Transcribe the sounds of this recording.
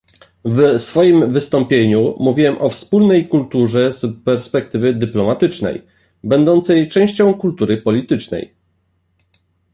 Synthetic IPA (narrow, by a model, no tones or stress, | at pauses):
vsfɔjimvɘst̪ɔmpʲjeɲumuvʲiwɛmʔɔfspulnɛjkult̪uʐɛzpɛɾspɛk̚t̪ɘvɘd̪ɘplɔmat̪ɘt͡ʂnɛ̰j | bɛnd̪ɔnt̪sɛjt͡ʂɛ̃w̃ɕt͡ɕɔ̃w̃kult̪uɾɘpɔlʲit̪ɘt͡ʂnɛ̰j